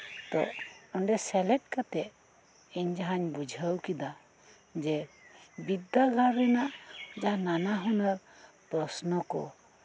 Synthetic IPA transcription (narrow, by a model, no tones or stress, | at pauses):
t̪ɔ̰ɔɳɖɛsɛlɛʈ̚kat̪ɛ | iɲd͡ʒaɦaɲbud͡ʒʱəwkid̪a | d͡ʒɛbid̪ːaɡʱaɾɛnaʔd͡ʒaɦananaɦɔnaɾ | pɾɔsnɔkɔ̰